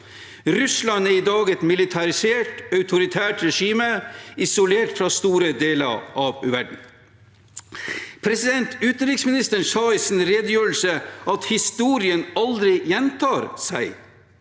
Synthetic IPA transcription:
ɾʉslɑnæɾɪd̪ɑːɡɛt̪mɪlɪt̪ʰɑɾɪseːʈœʉt̪ʰʊɾɪt̪ʰæːʈɾɛʂiːməɪsʊleːʈfɾɑst̪uːɾəd̪eːlə̰ɾʔɑʋʋæɖɳ̩ | pʰɾɛsɪd̪ɛnt̪ʰʉːt̪nɾɪksmɪnɪst̪əɳsɑɪsn̩ɾeːd̪əjøːlsəɑt̪hɪst̪uːɾɪənɑld̪ɾɪjɛnt̪ʰɑːɾsæɪ

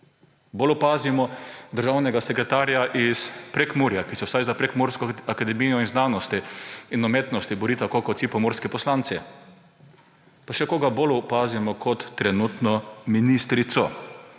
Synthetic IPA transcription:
bolʊpaːzimɔd̪əɾʒawnɛɡasɛkɾɛt̪aːɾjaʔispɾekmuɾjakisɛwsajzapɾɛkmoɾskɔakad̪ɛmiːjɔinznaːnɔst̪iinɔmeːt̪nɔst̪ibɔɾiːt̪akokɔt̪sipɔmɔɾskipɔslant̪si | paʃɛkoːɡabolʊpaːzimɔkʰɔt̪ːɾɛnut̪nɔminist̪ɾit̪sɔ̰

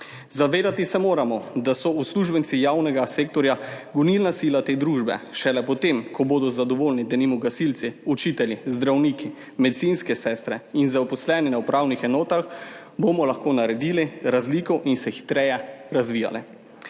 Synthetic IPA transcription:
zaʋeːd̪at̪isɛmoːɾamɔd̪asɔusluʒbɛnsijaːwnɛɡaseːkt̪ɔɾjaɡunilnasilat̪eːd̪ɾuːʒbɛ̰ʃɛlɛpɔt̪emkʰɔboːd̪ɔzad̪ɔʋoːlnid̪ɛnimɔɡasilt̪siut͡ʃiːt̪ɛljizd̪ɾawniki | mɛd̪itsinskɛsɛːst̪ɾɛinzaɔpɔslɛːninawpɾʔaːwnixɛnɔːt̪ax | bomɔlaxkoːnaɾɛd̪iːliɾazliːkɔwʔinsɛxi̥t̪ɾɛjɛɾazʋija̰lɛ

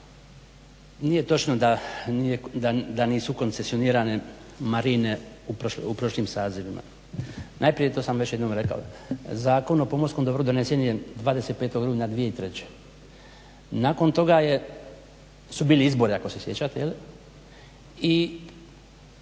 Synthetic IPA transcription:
nije̞t̪o̞t͡ʃnod̪aijed̪ad̪aniːsuko̞nsesio̞niːɾane̞ | maɾine̞ | upɾolupɾo̞ʃliːmsaːziʋimʔa̰ | najpɾijet̪oːsamʋe̞t͡ɕjed̪oːmɾe̞ka̰o̰zaːko̞nopo̞moɾsko̞md̪o̞bɾud̪o̞nesenijed̪ʋaːd̪e̞set̪̚peːt̪oɡɾuːnad̪ʋije̞it̪ɾe̞t͡ɕe̥ | naːko̞nt̪o̞ɡaje | subiːliizbo̞ɾiako̞sesjet͡ɕat̪ejeli | i

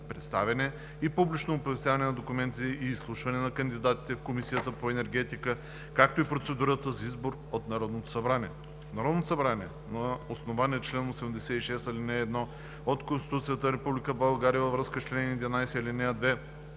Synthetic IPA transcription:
pɾɛt̪st̪a̰vɛnɛ | ipublit͡ʃnoːpovɛst̪javɐnɛnɐd̪okʊmɛnt̪ʲiɛiːslˠuʃvɐnɛnɐkənd̪id̪at̪i̥t̪ɛfkomisijət̪əpoɛnɛɾɡ̟ɛt̪ikə | kak̚t̪oipɾot̪sɛd̪uɾət̪əzɐizboɾ | ot̪nɐɾɔd̪not̪o̥sɐbɾaniɛ | nɐɾɔd̪not̪osɐbɾaniɛ | nɐosnovaniɛt͡ʃlɛnosɛmd̪ɛsɛiʃɛst̪ɐlinɛːd̪nɔ | ot̪konst̪i̥t̪ut̪sijət̪əɾɛpublikəbɐlˠɡaɾijəvɐvɾɤskət͡ʃlɛnid̪vʲɛnajsɛilinɛad̪vɛ

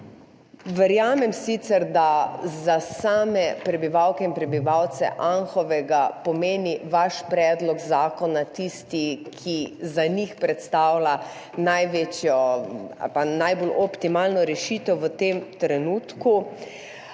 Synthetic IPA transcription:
ʋəɾjaːmɛmsit̪sɛɾd̪azasaːmɛpɾɛbiʋawkɛinpɾɛbiʋawt̪sɛ̰ʔanxɔʋɛɡapɔmeːniʋaʃpɾɛːd̪lɔɡzaːkɔnat̪ist̪ikʰizanixpɾɛt̪st̪aːwla | najʋeːt͡ʃjɔa̰lpanajbolʔɔpt̪imaːlnɔɾɛʃiːt̪ɛwʋət̪emt̪ɾɛnuːt̪ku

